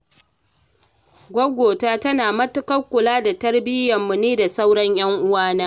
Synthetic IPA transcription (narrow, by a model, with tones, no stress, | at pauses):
ɡʷɐ˦ɡʷoː˨taː˦tɐ˦naː˨mɐ˦tʊ˦kɐ˦kʷːʊ˨laː˦da˨tɐ˦rbɪ˦jɐ˨mːʊ˨neː˦da˨sa˦wɽɔ˦ɲj̰ɐ˦ŋʔʊ˦waː˦naː˦